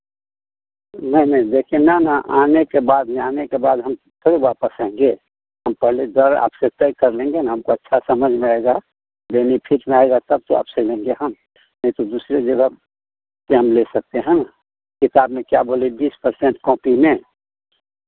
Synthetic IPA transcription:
nəinəĩd͡ʒ̪ekʰenanəʔanekebad̪mẽanekebaːd̪ɦəm | t̪ʰəɾiwapəsə̃ŋɡe | ɦəmpəɦled̪əɾa̰ːpset̪əjkəɾlẽːŋɡenaɦəmkoətːʃʰasəməd͡ʒʱmẽaeɡa | benipʰiʈmẽaeɡat̪əb̚t̪oa̰ːpselẽːŋɡeɦəm | nəĩt̪od̪usɾed͡ʒeɡa | keɦəmlesək̚t̪eɦən | kɪt̪abmẽkjabʱolibiːspəɾsẽɳʈkɔ̃ːpimẽ

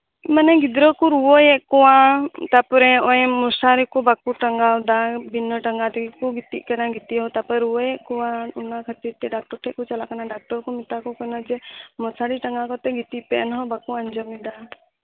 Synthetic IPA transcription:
manɛɡid̪ɾɔkuɾuwɔjɛʔkɔwãt̪apɔɾɛ̃ɔjɛ̃mɔsaɾikɔbakuʈəŋɡad̪abinɔʈəŋɡat̪ɛkikuɡit̪ḭʔkənaɡit̪iɦɔt̪apəɾuɔjɛʔkɔwãunakʰət̪iɾt̪ɛɖak̚ʈɔɾʈʰɛʔkut͡ʃalakanaɖak̚ʈɔɾkɔmit̪akɔkɔnɔd͡ʒɛmɔsaɾiʈəŋɡakɔt̪ɛɡit̪ipɛʔnɦɔbakuaɲd͡ʒɔmid̪a

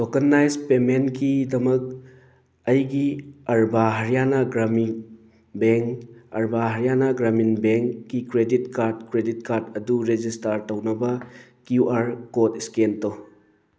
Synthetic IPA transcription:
dɔɡɐnːajzpemenkidɐmɐk̚ | ɐjɡiɐɾbaɦɐɾijanɐɡɾami | beŋkɐ̰ɾbaɦɐɾijanɐɡɾaminbeŋkːikɾeditkaɾdkɾedit̚kaɾdɐduɾed͡ʒistaɾtɐwnɐbɐkjuʔaɾkotiskentɔ

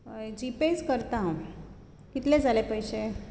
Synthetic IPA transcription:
əjd͡ʑiped͡zkəɾt̪aɦã | kit̪led͡zʱalepəjse

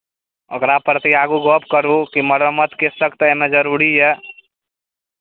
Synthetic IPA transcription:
ə̰ɡɾapɾət̪iaːɡuɡoːpkəɾukiməɾəmət̪kesəkt̪emed͡ʒəɾuːɾiɦɛ

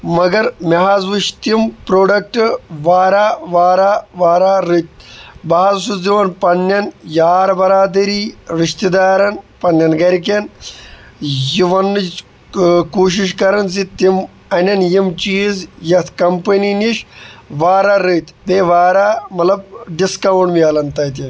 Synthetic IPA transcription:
mɐɡɐɾmʲɐɦazʋɨʃt̪impɾoːɖɐk̚ʈɨʋaːɾaːʋaːɾaːʋaːɾaːɾɨt̪̚ʲbɐɦazsuziʋɐnpɐnːɐnjaːɾbɐɾaːd̪ɐɾiːɾiʃt̪id̪aːɾɐnpɐnːɐnɡɐɾk̬en | jiʋɐn | kuːʃ̬iʃ̬kɐɾɐns̬it̪im | ɐnʲɐnjimt͡ʃiːzjɐt̪ʰkɐmpɐniniʃʋaːɾaɾɨt̪ʲb̪eʋaːɾaːmɐt̪lɐb̚ɖiskɐʋɐɳmiɐːlɐnt̪ɐt̪in

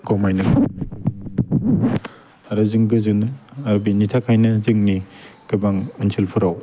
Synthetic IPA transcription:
kɔmajnɯ | aɾazɯŋɡɯzɯnaɾbinitʰakʰajnɐzɯŋniɡ̥ɯbaŋunsʰilpʰɯɾaw

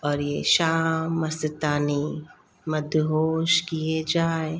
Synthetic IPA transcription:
ɔːɾjeʃaːmːɐsɪt̪aːne | mɐd̪ʱɦoːʃkijed͡ʒaːe

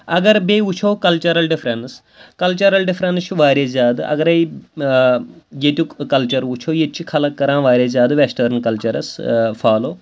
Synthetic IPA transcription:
ɐɡɐɾbeut͡ʃʰoːkɐlt͡ʃɐɾɐlɖɪfʰɾɐns | kɐlt͡ʃɐɾɐlɖifʰɾɐnt͡ʃuʋaːɾʲeːzʲjaːd̪ɐ̰ɡɐɾɐj | jet̪ʲjukɐlt͡ʃɐɾut͡ʃʰoːjet̪t͡ʃʰikʰɐlɐkːɐɾãːʋaːɾʲeːzjaːd̪ʋesʈɐɾnkɐlt͡ʃɐɾɐsfʰaːloː

